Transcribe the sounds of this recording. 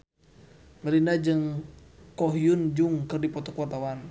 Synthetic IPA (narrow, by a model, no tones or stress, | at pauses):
məlinad͡ʒɨŋkɔɦjund͡ʒuŋkɨrdipɔt̪ɔkuwart̪awan